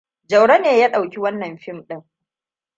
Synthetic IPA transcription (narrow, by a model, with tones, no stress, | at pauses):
d͡ʒɐ˨wɽa˦neː˨jaː˦ɗa˨wkʲi˦wɐ˦nːɐ˨mɸɪ˦mɗɪ˦ŋ